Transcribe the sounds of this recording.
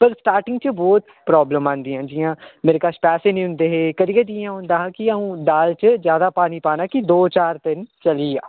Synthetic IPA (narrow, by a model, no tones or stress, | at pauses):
pəɾsʈaːɾʈɪŋɡ̚t͡ʃəbɔːt̪ | pɾɔːbləmãːnd̪iːãːd͡ʒiːãːmeːɾeːkaːʃpɛːseːnĩːɦʊ̃nd̪eːɦeːkəɾijeːd͡ʒ̪iːãːɦʊ̃nd̪aːɦãːkiaũːɖaːlt͡ʃəzjaːd̪aːpaːniːpaːnaːkid̪oːt͡ʃaːɾt̪ɪnt͡ʃəliːaː